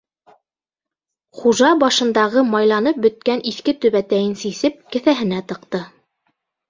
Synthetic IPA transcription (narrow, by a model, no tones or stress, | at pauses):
χuʒɑbɑʃɤ̆nd̪ɑʁɤmɑjlˠɑnɤp̚bɵ̆t̪̚kæniθkɘt̪ɵ̆βæt̪æjɘnsisɘp̚kɘ̆θæɦɘ̆næt̪ɤ̆qt̪ɤ